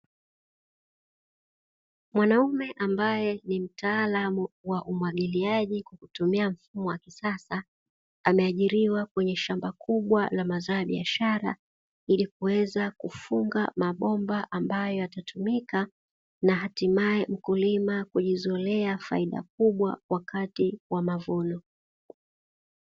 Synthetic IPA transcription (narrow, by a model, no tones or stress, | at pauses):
mwanaumɛʔambajɛnim̩taːlamuwaʔumwaɠiliaʄikwakutumiam̩fumɔwakisasa | amɛaʄiɾiwakwɛɲɛʃambakʰuɓwalamazaːjaɓiaʃaɾa̰ | ilikuwɛzakufuŋɡamaɓɔmbaʔambajɔjatatʰumika | naɦatimaɛm̩kulimakuʄizɔlɛafa̰iɗa̰k̚uɓwa̰wʔakatiwamavɔnɔ